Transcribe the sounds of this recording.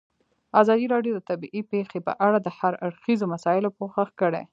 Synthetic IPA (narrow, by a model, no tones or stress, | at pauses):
azɑd̪iɾɑɖjod̪ət̪abiʔipexepə̰ʔaɽad̪əhaɾaɽxizomasɑɪlopoxaxkəɽḛ